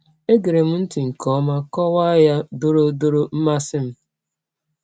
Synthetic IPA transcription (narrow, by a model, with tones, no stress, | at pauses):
e˦ɡe˨ɾe˨m̩˦n̩˦ti˨ŋ̩˨kɔ˦ma˦kɔ˦wa˦ja˦do˦ɾo˦do˦ɾo˦m̩˦ma˦sɪ˦m̩˦